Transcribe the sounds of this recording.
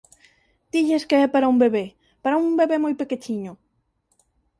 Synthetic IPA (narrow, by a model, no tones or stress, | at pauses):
t̪iʎeskeɛpaɾaumbeβe | paɾaumbeβemojpeket͡ʃiɲo